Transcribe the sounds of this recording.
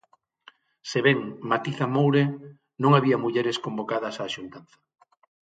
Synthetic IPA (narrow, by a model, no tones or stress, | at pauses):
seβɛŋmat̪iθamowɾe | nõŋaβiɐmuʎɛɾɪskombokað̞ɐsaːʃunt̪anθɐ̥